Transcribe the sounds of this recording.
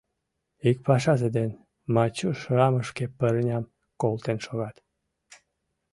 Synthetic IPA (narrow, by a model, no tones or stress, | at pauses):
ik̚pɑʃ̬ɑzed̪en | mɑt͡ɕuʃrɑməʃkepərnʲɑm | kolt̪enʃoɣɑt̪